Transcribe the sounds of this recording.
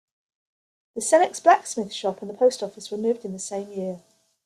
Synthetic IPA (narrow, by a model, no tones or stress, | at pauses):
ðəsɛnɪksb̥laksmɪθʃɒpʰə̃nðəpʰəʊstɒfɪsɹəmʉːvdɪ̃nðəsẽɪ̃mjɪə